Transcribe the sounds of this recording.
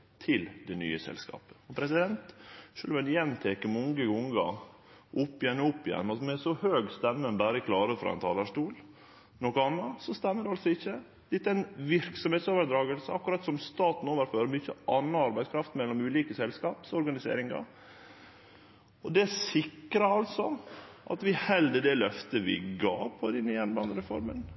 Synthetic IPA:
t̪ʰɪld̪ɛny̰ːəsɛ̰lskɑ̰ːpə̥ɔpʰɾɛsɪd̪ɛnt̪ʂøːlʋɛnjɛnːt̪ʰekəmɔŋɡəɡʊŋɡɑ̰ʔʊpːɪjɛnːʊpːɪjɛ̰nːɑt̪mɛsɔhøːɡst̪ɛmːənbæːɾəkʰlɑːɾəfɾɑ̰ɛ̰nt̪ʰɑ̰ːlæʂt̪uːl | nɔkɔɑnːɑsɔst̪ɛmːəd̪ɛɑlsɔɪçːə | d̪ɪt̪ːæɪnʋɪɾksɔmheːt̪soːʋəɾd̪ɾɑːɡəlsəɑkːʉɾɑt̪sɔmst̪ɑːt̪n̩oːʋəɾføːɾmʏçəʔɑnːɑɑɾbæɪskʰɾɑft̪mɛlːɔmʉːliːkəsɛlskɑːpsɔɾɡɑnɪsḛːɾɪŋɑ̰ | ɔd̪ɛæsɪkːɾɑɑlsɔ | ʔɑ̰t̪ʋɪhɛld̪əd̪ɛlœft̪əʋɪ̰ɡɑ̰ːpʰɔd̪ɛnːjɛnbɑːnəɾɛfɔɾmən

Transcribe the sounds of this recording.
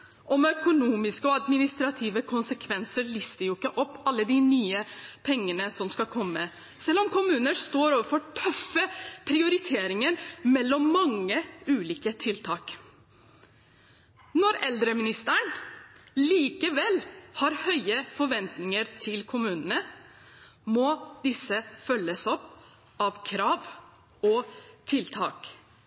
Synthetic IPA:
ʔɔmœkʊnuːmɪskəɔɑd̪mɪnɪst̪ɾɑt̪ʰiːʋəkʰʊnsəkʰʋɛnsəɾɭɪst̪əjʊɪkːəʔɔpːɑlːəd̪ɪnyːəpʰɛŋːənəsɔmskɑkʰɔmːə | sɛlːɔmkʊmʉːnəst̪oːɾoːʋəɾfɔʈʰœfːəpʰɾɪʊɾɪt̪ʰeːɾɪŋəɾmɛlːɔmːɑŋːəʉːliːkət̪ʰɪlt̪ʰɑːk | nɔɾɛld̪ɾəmɪnɪst̪əɳ | liːkəʋɛlhɑɾhœʏəfɔɾʋɛnt̪nɪŋəɾt̪ʰɪlkʰʊmʉːnənə | mɔːd̪ɪsəfœlːəsɔpː | ɑʋkʰɾɑːʋ | ɔt̪ʰɪlt̪ʰɑ̰ːk

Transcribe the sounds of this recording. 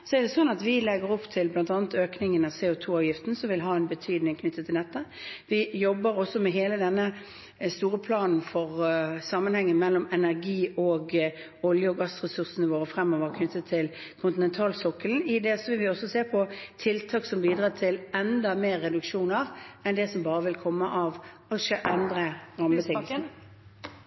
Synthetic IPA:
sɔɛʁd̪ɛsɔnːɑt̪ʋɪlɛɡəɾɔpt̪ʰɪlblɑnt̪ɑːnət̪øːknɪŋənɑseːʊt̪ʰuːɑʋjɪft̪n̩sɔmʋɪlɦɑːɛnbət̪ʰyːd̪nɪŋkʰnʏt̪ːət̪ʰːɪld̪ɛt̪ːəʋɪjɔbːəɾɔsːɔmɛɦeːləd̪ɛnːə | st̪uːɾəpʰlɑːnn̩fɔʁsɑmːənhɛŋːəmɛlːɔmɛnæʁɡiːoːɡ | ɔljəɔɡɑsʁɛsʉʁsənəʋoːʁəfʁɛmːoːʋəʁkʰnʏt̪ːət̪ʰːɪl | kʰʊnt̪ɪnɛnt̪ʰɑːlsɔkːəln̩ɪd̪ɛsɔʋɪlʋɪɔsːɔseːpʰɔt̪ʰɪlt̪ʰɑːksɔmbiːd̪ʁɑːt̪ʰɪlɛnd̪ɑmeːʁːɛd̪ʉkʂuːnəʁɛnd̪ɛsɔmbɑːɾəʋɪlkʰɔmːəʔɑʋ | ɑʃəʔɛnd̪ʁəɾɑmːbət̪ɪ

